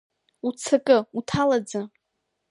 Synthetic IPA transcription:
ut͡sʰakʼɨutʰalad͡za

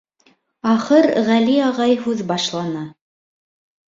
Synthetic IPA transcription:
ɑχɤɾʁæliɑʁɑjhʉðbɑʃlˠɑnɑ

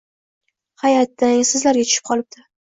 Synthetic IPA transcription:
hajat̪ːaŋsɪzlaɾɡʲat̪ʰʊ̥ʃɪ̥p̚qʰɒlˠɪb̚d̪ʰɪ

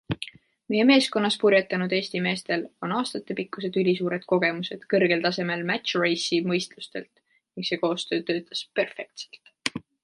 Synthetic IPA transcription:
meje̞me̞ːsko̞nːɑspurjɑt̪ːˑɑnud̪̥e̞ːst̪ime̞ːst̪e̞lo̞nɑːst̪ɑt̪ːˑe̞pikːˑuse̞d̪̥ylʲisuːɾe̞d̪̥ko̞ɡe̞muse̞d̪̥kɤrɡ̥e̞lt̪ɑse̞me̞lmæt̪ʃre̞jsimɤjst̪lust̪e̞lt̪ | niŋkse̞ːko̞ːst̪ø̞ːt̪øːt̪ːˑɑ̥spe̞rfe̞k̚t̪se̥lt̪

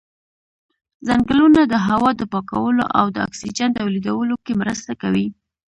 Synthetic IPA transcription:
zaŋɡəlunad̪əɦawɑd̪əpɑka̰wəlo̰ʔa̰wd̪əa̰ksid͡ʒant̪awlid̪awəlokemɾəst̪akawi

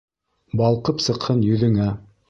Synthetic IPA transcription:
bɑlˠqɤpsɤ̆qhɤnjɵ̆ðɘ̆ŋæ

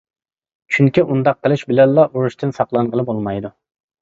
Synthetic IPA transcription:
t͡ʃʰyŋkʲiʔund̪ɑqʰːəlˠɪʃbɪlɛnlːˠɑʔuɾuʃt̪ʰɨnsɑqlˠɑnʁəlˠɨbolˠmɑjd̪u

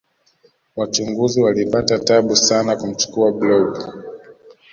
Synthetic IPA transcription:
wat͡ʃuŋɡuziwalipatataɓusanakum̩t͡ʃu̥kuablɔɡu

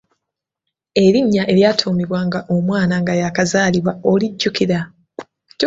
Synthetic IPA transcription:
e̞ɾiɲːaʔe̞ljaːtʰuːmiβwaːŋɡaʔomwaːnaŋɡajakazaːliβwaoliɟːukiɾa

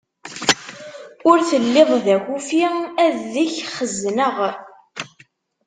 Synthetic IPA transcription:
ʊɾθəlːeðˤðæçufiæðiçχəznəʁ

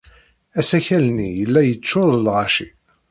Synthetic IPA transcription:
æsæçælnijəlːæjət͡sːʊɾəlʁɑʃi

